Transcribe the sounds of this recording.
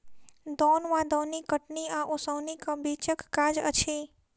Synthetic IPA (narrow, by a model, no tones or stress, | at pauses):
d̪ɔnʋãd̪ɔnikəʈniãʔosəwnikəbit͡ʃəkːad͡ʒə̰t͡ʃʰe